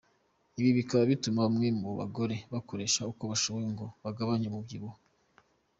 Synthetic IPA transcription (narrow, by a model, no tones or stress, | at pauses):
iβiβikaβaβitumaβmŋe̞muβa̰ɡo̞ɾe̞βako̞ɾe̞ːʃauko̞βaʃoβojeŋɡo̞βaɡaβaɲemubɡiβo